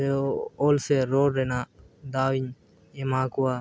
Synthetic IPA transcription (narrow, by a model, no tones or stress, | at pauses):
eoːlseɾoːɖɾeːnaːd̪aːwiɲ | emaːkuwaː